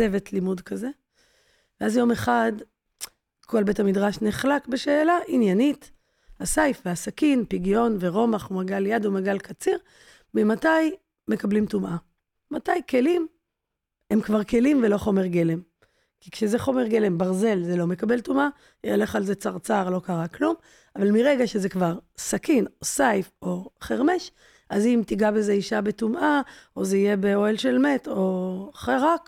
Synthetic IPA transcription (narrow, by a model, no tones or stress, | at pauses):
eve̞tʰlimudkaze̞ | veazjo̞me̞χad | kʰo̞lbe̞thamidʁaʃneχlakbeʃe̞ːlaʔinjanit | hasajfveasakinpiɡjo̞nve̞ʁo̞maχumaɡaljadumaɡalkat͡siʁ | mimataj | me̞kablimtumʔa | matajke̞lim | emkvaʁke̞limveloχo̞me̞ʁɡe̞le̞m | kikʃezeχo̞me̞ʁɡe̞le̞mbaʁze̞lzelo̞me̞kabe̞ltuma | ele̞χalze̞t͡saʁt͡saʁlo̞kaʁaklum | avalmiʁe̞ɡaʃe̞ze̞kvaʁsakinosajfo̞χeʁme̞ʃ | ʔazimtiɡabezeiʃabe̞tumʔaʔo̞zeije̞be̞o̞elʃe̞lme̞to̞χeʁak